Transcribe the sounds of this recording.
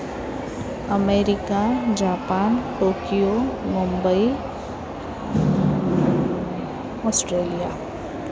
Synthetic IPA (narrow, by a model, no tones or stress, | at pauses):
əmeːɾɪkad͡ʒaːpaːnʈoːkijomʊ̃mbəi | ɔːsʈɾeːlija